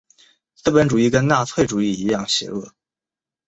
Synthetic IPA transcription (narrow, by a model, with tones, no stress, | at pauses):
sɹ̩˥˩pə˧˥nʈ͡ʂu˨˩i˥˩kə˥nna˥˧t͡sʰwe˥˩ɪʈ͡ʂu˨˩i˥˩i˧˥jɑ˥˩ŋɕjɛ̰˧˥lwə˥˩